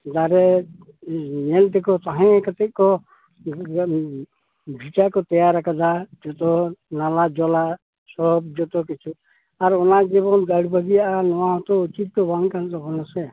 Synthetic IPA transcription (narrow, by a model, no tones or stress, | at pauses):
d̪aɾɛ | nɛlt̪ɛkɔt̪aɦɛ̃kət̪ɛʔ̚ˀkɔ | bʱit͡ʃakɔt̪ɛjaɾakad̪ad͡ʒɔt̪ɔnalad͡ʒɔla | sɔb̚d͡ʒɔt̪ɔkit͡ʃʰu | aɾɔnaʔd͡ʒibɔnɡaɽbəɡijaʔanɔwaɔ̃t̪ɔut͡ʃit̪̚d̪ɔbaŋkant̪ɔbɔnɔsɛ